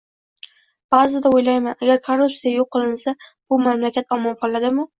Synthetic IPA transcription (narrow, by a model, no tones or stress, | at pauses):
b̥azɪd̪aojlajmanaɡʲaɾkʰorːupsijajoqʰːɨlˠɪnsab̥ʊmamlakʲʰat̪ɒmɒnqʰɒlˠad̪ɪmʊ